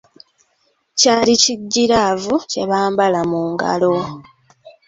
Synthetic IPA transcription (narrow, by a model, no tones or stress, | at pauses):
caːliciɟːiɾavuce̞βaːmbalamuːŋɡa̰lo̞